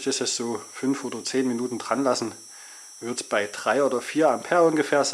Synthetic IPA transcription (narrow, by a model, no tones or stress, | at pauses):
çtɪsɛsz̥oːfʏnfʔoːdɐt͡seːnminuːtn̩dʁanlasn̩ | vɪɐtsb̥aɪd̥ʁ̥aɪoːdɐfiːɐampʰɛɐʊnɡəfeːɐz